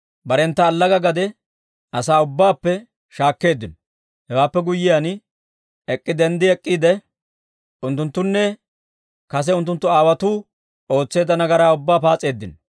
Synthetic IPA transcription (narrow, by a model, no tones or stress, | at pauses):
bɐɾɛnt̪ːɐːlːɐɡɐɡɐd̪ɛ | ʔɐsaːʊbːaːpːɛ | ʃaːkːe̞ːd̪ːɪnɔ | hɛwaːpːɛɡʊjːɪjan | ɛkʼːɪd̪ɛnd̪ɪɛkʼːiːd̪ɛ | ʔʊnt̪ːʊnt̪ːʊnːɛ | kɐs̬ɛʊnt̪ːʊnt̪ːʊaːwɐt̪uː | o̞ːt͡sːe̞ːd̪ɐnɐɡɐɾaːʊbːaːpaːt͡sʼːe̞ːd̪ːɪnɔ